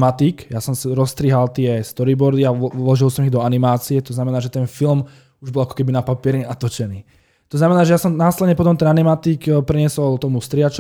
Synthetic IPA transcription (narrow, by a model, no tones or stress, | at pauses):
mat̪ikjasɔmsɾɔst̪ɾiɦalt̪ɪɛst̪ɔɾibɔɾd̪ialɔʒilˠsɔmiɣd̪ɔanimaːt͡siɛt̪ɔznamɛnaːʒɛt̪ɛnfilm | uʒbɔlakɔ̥kɛbinapapɪɛɾɲɛat̪ɔt͡ʃɛniː | t̪ɔznamɛnaːʒɛjasɔmnaːslɛd̪ɲɛpɔt̪ɔmt̪ɛnanimat̪ikpɾiɲɛsɔlt̪ɔmust̪ɾɪat͡ʃ